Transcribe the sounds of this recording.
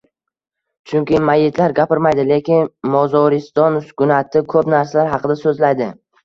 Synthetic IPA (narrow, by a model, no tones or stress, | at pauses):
t͡ʃʰʊŋkʲɪmajːɪt̪ʰlaɾɡʲapɪɾmajd̪ɪle̞kʲɪnmɒzɒɾɪst̪ɒnsʊ̥kʰʲʊnat̪ʰɪkʰɵpnaɾsalaɾɦɑqɨd̪asɵzlajd̪ɪ